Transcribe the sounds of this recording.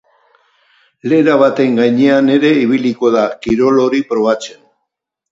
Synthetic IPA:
le̞ɾaβat̪e̞ŋɡajɲe̞ane̞ɾe̞iβ̞iliko̞ðakiɾo̞lo̞ɾipɾo̞β̞at͡se̞n

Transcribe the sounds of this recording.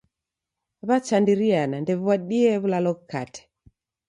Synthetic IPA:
βat͡ʃandiɾianandɛβwaɗiɛβulalɔkka̰tɛ̥

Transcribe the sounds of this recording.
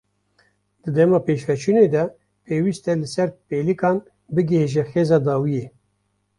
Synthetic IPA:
d̪̥ɨd̪ɛmɑːpeːʃfɛt͡ʃʰuned̪ɛ | pʰeːwiːst̪ɛlɨsɛɾpeːlɨkɑːn | bɨɡɨheʒɛxeːzɑːd̪ɑːwijeː

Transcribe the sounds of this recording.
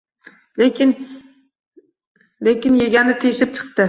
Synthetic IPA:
n | lekʲɪnjeɡʲanɪt̪ʰejʃɪp̚t͡ʃʰɨ̥qt̪ɪ

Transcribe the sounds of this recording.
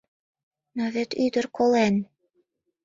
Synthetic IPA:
noβĕt̪yd̪ə̆rkolen

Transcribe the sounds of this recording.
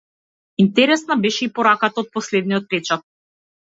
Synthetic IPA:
int̪ɛɾɛsnabɛʃɛipɔɾakat̪aɔt̪̚pɔslɛd̪niɔt̪̚pɾɛt͡ʃat̪̚

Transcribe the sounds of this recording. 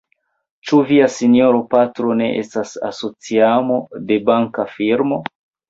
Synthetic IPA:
t͡ʃuviasinio̞ɾopatɾo̞ne̞̰ʔḛstasa̰so̞t͡siamo̞de̞baŋkafiɾmo̞

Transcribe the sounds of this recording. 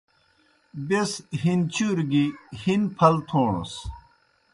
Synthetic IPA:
besɦint͡ɕuːɾɡihinpʰɐlt̪ʰoːɳo̰s

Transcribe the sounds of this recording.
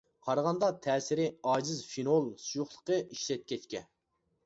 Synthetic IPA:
hʰɑɾʁɑnd̪ɑt̪ʰɛːsɪɾɪɑːd͡ʒɪzfinolˠsujuχlˠə̥qəiʃlɛt̪̚kʲʰɛt͡ʃkʲɛ

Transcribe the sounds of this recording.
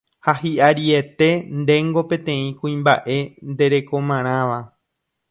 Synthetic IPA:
haɦiʔaɾie̞t̪e̞nd̪ẽ̞ŋɡo̞pẽ̞t̪ẽ̞ĩkũĩmba̰ʔe̞nd̪e̞ɾe̞ko̞mãɾ̃ãʋa

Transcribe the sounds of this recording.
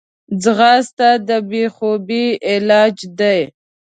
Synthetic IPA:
d͡zɣɑst̪ad̪əbexobiɪlɑd͡ʒd̪aj

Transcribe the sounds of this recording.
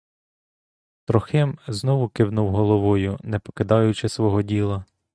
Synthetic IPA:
t̪ɾɔxɪmznɔʋʊkɪwnuwɦɔlˠɔʋɔjʊnɛpɔ̥kɪd̪ɑjʊt͡ʃɪsʋɔɦɔdʲilˠɐ

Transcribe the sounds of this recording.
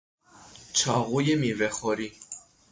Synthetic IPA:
t͡ʃʰɑɣujɛmivɛχɔɾi

